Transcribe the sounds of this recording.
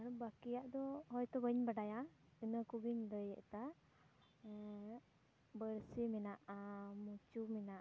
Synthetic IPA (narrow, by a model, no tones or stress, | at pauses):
aɾbakijaʔd̪ɔɦɔjt̪ɔbəɲbaɖajaənəkubiɲləjɛ̰ʔt̪a | bəɾsimɛnaʔamut͡ʃumɛnaʔ